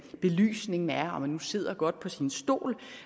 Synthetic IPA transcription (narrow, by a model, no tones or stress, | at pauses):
b̥e̝ly̰ːsne̝ŋn̩æɐɒ̽mhænːuse̝ð̞̰ˠɐɡ̥ɒ̽d̥̚pʰɒ̽sinsd̥o̝̰ːl